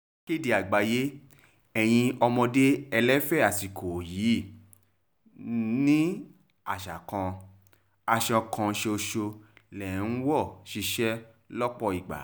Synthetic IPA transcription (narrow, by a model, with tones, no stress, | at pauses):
ke˦˨di˨a˨ɡ͡ba˨je˦ | ɛ˨j̃ĩ˧ɔ˧mɔ̃˧de˦ɛ˧lɛ˦fɛ˦˨a˨si˨kʰo˨jiː˨˦˨ | nĩ˦ | a˨ʃa̰˨kã˧ | a˧ʃɔ˧kʰã˧ʃe˧o˧ʃo˧lɛ˨n̩˦wɔ˦˨ʃi˧ʃɛ˦ | lɔ˦k͡pɔ˧i˨ɡ͡ba̰˨˦